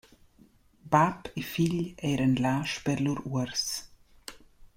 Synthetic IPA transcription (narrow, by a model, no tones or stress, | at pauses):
bapefiʎɛːɾənlaːʃpɛɾluɾuəɾs